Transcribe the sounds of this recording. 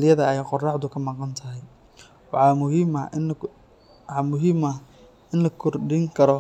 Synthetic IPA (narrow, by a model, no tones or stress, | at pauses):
lɪjɐðɐɛjqɔrɑħd̪ʊkʰɐmɑqɑnt̪ʰɐɦɛj | wɑħɑːmʊɦimɐ | ɑmʊɦiːmɐ | ɪnlɐkʰɔrɖɪŋkʰɐɾɔ